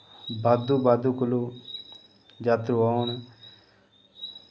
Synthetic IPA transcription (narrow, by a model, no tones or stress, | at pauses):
bad̪uːbaːd̪ukʊluː | d͡ʒaːt̪ɾuoːn